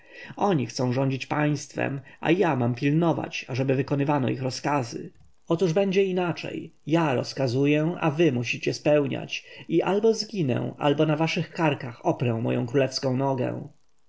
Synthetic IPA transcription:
ɔɲixt̪sɔ̃w̃ʐɔɲd͡ʑit͡ɕpaj̃st̪fɛ̰mʔa̰jamampʲilnɔva̰t͡ɕaʐɛbɘvɘkɔnɘvanɔ̰ixɾɔskazɘ̰ | ɔt̪uʐbɛɲd͡ʑɛinat͡ʂɛ̰jːjaɾɔskazujɛa̰vɘmuɕit͡ɕɛspɛwɲa̰t͡ɕiʔalbɔzɡʲinɛ̰̃ʔa̰lbɔnavaʂɘxkaɾkaxɔpɾɛ̃w̃mɔ̰jɔ̰̃w̃kɾulɛfskɔ̃w̃nɔɡɛ̰̃w

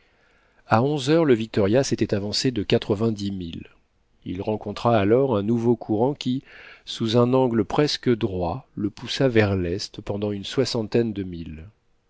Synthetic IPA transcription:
aɔ̃zœʁləvik̚t̪ɔʁjaset̪ɛt̪avɑ̃sed̪əkat̪χəvɛ̃d̪imil | ḭlʁɑ̃kɔ̃t̪χaːlɔʁɛ̃nuvokʰuʁɑ̃kʲisuzɛ̃nɑ̃ɡləpχɛskəd̪ʁwaləpusavɛʁlɛst̪pɑ̃d̪ɑ̃ynswasɑ̃t̪ɛnd̪əmil

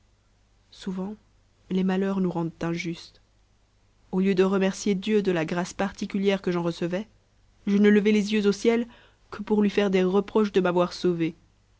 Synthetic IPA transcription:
suvɑ̃ | lemalœʁnuʁɑ̃d̪t̪ɛ̃ʒyst̪ | oljød̪əʁəmɛʁsjed̪jød̪əlaɡʁaspaʁt̪ikʲyljɛʁkəʒɑ̃ʁəsəvɛ | ʒənələvelezjøzosjɛl | kʰəpuʁlɥifɛʁd̪eʁəpχɔʃd̪əmavwaʁsove

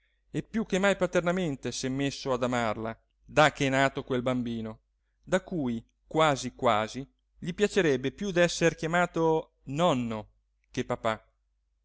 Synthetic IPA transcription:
epːjukːemːajpat̪ernament̪esɛmːesːoad̪amarla̰ | d̪akːɛnaːt̪okwelbambiːno | d̪akuːj | kwaːzikwaːzi | ʎipjat͡ʃeɾɛbːepjud̪ɛsːerkjamaːt̪o | nɔnːo | kepapa

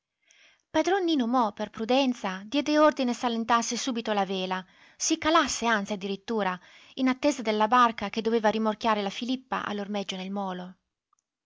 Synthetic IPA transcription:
pad̪ɾɔnːinomɔperpɾud̪ɛnt̪sad̪jɛːd̪eord̪inesalent̪arsesuːbit̪olaveːla | sikalasːeant̪siad̪ːiɾit̪ːuːɾa | inat̪ːeːzad̪elːabarkak̟ed̪oveːvaɾimork̟jaːɾelafilipːa̰ʔa̰lːormɛd͡ʒːonelmɔːlo

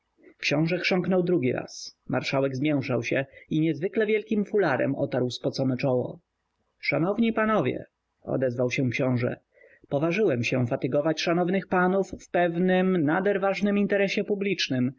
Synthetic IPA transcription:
kɕɔ̃w̃ʐɛkʂɔŋknɔwd̪ɾuɡʲiɾa̰sma̰ɾʂawɛɡzmʲjɛw̃ʂawɕɛiɲɛzvɘklɛvʲjɛlkʲimfulaɾɛ̰mɔ̰t̪aɾwspɔt̪sɔnɛt͡ʂɔwɔ̰ | ʂanɔvɲipanɔvʲjɛ̰ | ɔ̰d̪ɛzvawɕɛkɕɔ̃w̃ʐɛ̰ | pɔvaʐɘwɛmɕɛfat̪ɘɡɔvat͡ɕʂanɔvnɘxpanufːpɛvnɘmnad̪ɛɾvaʐnɘmint̪ɛɾɛɕɛpublʲit͡ʂnɘm

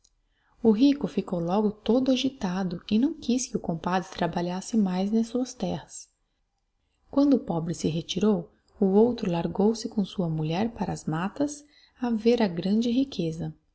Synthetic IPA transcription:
ʊɦikʊfikowlɔɡʊt̪od̪ʊaʒit̪ad̪ʊɪnɐ̃w̃kiskɪʊkõpad̪ɾɪt̪ɾabaʎasɪmajznɐsuɐst̪ɛhɐs | kwɐ̃nd̪ʊpɔbɾɪsɪɦet͡ʃiɾow | ʊowt̪ɾʊlaɾɡowsɪkõsuɐmuʎɛɾpaɾɐːzmat̪ɐs | aveɾɐɡɾɐ̃d͡ʒɪɦikʰezɐ

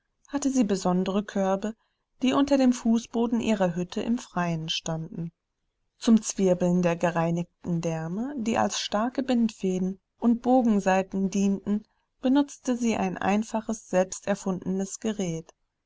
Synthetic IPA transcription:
hatəziːbəzɔndəʁəkʰœɐbə | d̥iːʔʊntɐdeːmfuːsb̥oːdn̩ʔiːʁɐɦʏtʰəʔɪ̰mfʁ̥aɪənʃtandn̩ | t͡sʊmt͡sv̥ɪɐbl̩ndeːɐɡəʁaɪnɪçtn̩dɛɐməd̥iːʔa̰lsʃtaɐkəbɪntfeːdn̩ | ʔʊnt̚b̥oːɡŋ̩zaɪtn̩diːntn̩ | b̥ənʊt͡stəziːʔa̰ɪnʔa̰ɪnfaχəsz̥ɛlpstɛɐfʊndn̩əsɡ̥əʁɛːt

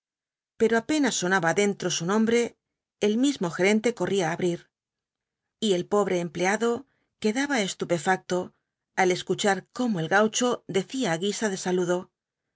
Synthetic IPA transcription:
pe̞ɾo̞ape̞nasːo̞naβaðe̞nt̪ɾo̞sunõ̞mbɾe̞ː | lmizmo̞xe̞ɾe̞nt̪e̞ko̞riaːβɾiɾ | ie̞lpo̞βɾe̞ːmple̞aðo̞ | ke̞ðaβae̞st̪upe̞fak̚t̪o̞ | ale̞skut͡ʃaɾko̞moe̞lɣawt͡ʃo̞ðe̞θiaːɣisaðe̞saluðo̞

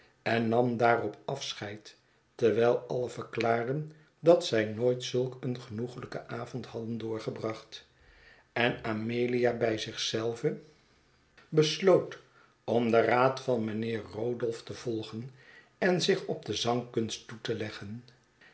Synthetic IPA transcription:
ɛnːɑmdaːrɔpɑfsχɛjt | tɛɹʋɛjlˠɑləvəɹklaːɹdən | dɑtsɛjnoːjtsɵlˠkənχənuχələkə̰ʔaːvɔ̃ntɦɑdəndʊːɹχəbrɑχt | ɛnameːlijabɛjzɪχsɛlˠvə | bəslowt | ɔmdəraːtfɑnmənɪːrːoːdɔlˠftəv̥ɔlˠχən | ɛnzɪχɔb̚dəzɑŋkɵnstːutəlɛχən

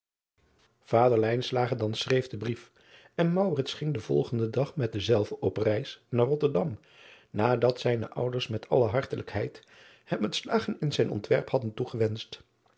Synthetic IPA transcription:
v̥aːdəɹlɛjnslaːχəɹdɑnsrejvdəbrif | ɛnmɑwrɪtsχɪŋdəv̥ɔ̰lˠχəndədɑχmɛt̚dəzɛlˠvəʔɔprɛjsnaːrɔtəɹdɑm | naːdɑtsɛjnə̰ʔʌ̰wdəɹsmɛtʰɑ̰ləɦɑɹtələkɦɛjt | hɛmətslaːχənɪnzɛjnʔɔ̰ntʋɛɹphɑdəntuχəʋɛnst

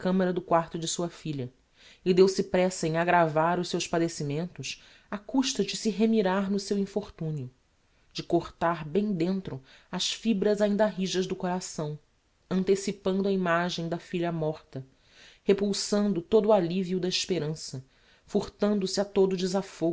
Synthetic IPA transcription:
kɐ̃mɐɾɐd̪ʊkwaχt̪ʊd͡ʒɪsuɐfiʎɐ | ɪd̪ewsɪpɾɛsɐẽŋaɡɾavaɾʊʃsewʃpad̪esimẽnt̪ʊs | akuʃt̪ɐd͡ʒɪsɪɦemiɾaɾnʊsewĩfoɾt̪ũniʊ | d͡ʒɪkoχt̪aɾbẽj̃d̪ẽnt̪ɾʊɐʃfibɾɐzaĩnd̪ɐɦiʒɐʒd̪ʊkoɾasɐ̃w̃ | ɐ̃nt̪esipɐ̃nd̪ʊɐimaʒẽj̃d̪ɐfiʎɐmɔχt̪ɐ | hepuwsɐ̃nd̪ʊt̪od̪ʊːaliviuʊd̪ɐɪʃpeɾɐ̃sɐ | fuɾt̪ɐ̃nd̪ʊsɪat̪od̪ʊːd͡ʒɪzafoɡ

